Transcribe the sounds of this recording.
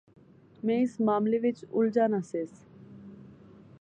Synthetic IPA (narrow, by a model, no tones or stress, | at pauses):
mɛ̃ːɪsmaːmleʋɪt͡ʃʊld͡ʒaːnaseːs